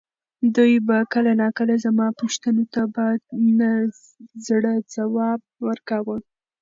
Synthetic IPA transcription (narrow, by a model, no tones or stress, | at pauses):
d̪ujbakəlanɑkəlazamɑpoʃt̪ənot̪abɑjad̪na | zɽəd͡zawɑb̚wəɾkawə